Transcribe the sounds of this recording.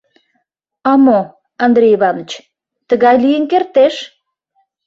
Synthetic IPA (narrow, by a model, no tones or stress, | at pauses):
ɑmo | ɑnd̪ɾʲejiβɑnət͡ɕ | t̪əɣɑjlijənkert̪eʃ